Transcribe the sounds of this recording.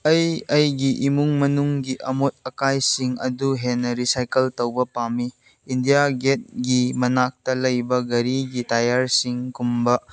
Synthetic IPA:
ɐjɐjɡiʔimuŋmɐnuŋɡiʔɐmot̚ɐkajsiŋɐduɦenːɐɾisajkɐltɐwbɐpamiː | ndijaɡet̚ɡimɐnak̚tɐlɐjbɐɡɐɾiɡitajaɾsiŋkumbɐ

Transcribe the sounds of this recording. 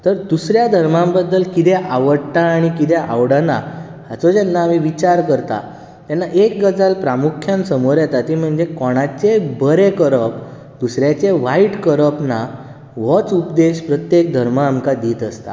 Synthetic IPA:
t̪əɾd̪usɾjad̪ʱəɾmãmbəd̪ːəlkit̪ɛʔaʋəɽt̪aːɽ̃ikit̪ɛʔa̰ʋɽəna̰ | hat͡sod͡ʑɛnːaːmiʋit͡ɕaɾkəɾt̪a̰ | t̪anːaʔekɡəd͡zalpɾamukʰjãnsəmoɾjat̪at̪im̤əɳd͡zekɔɽ̃at͡ɕebəɾekəɾəp | d̪usɾjat͡ɕeʋaiʈkəɾəpna | ʋɔt͡supd̪eɕpɾət̪jek̚d̪ʱəɾmaːmkad̪iːt̪əst̪a̰

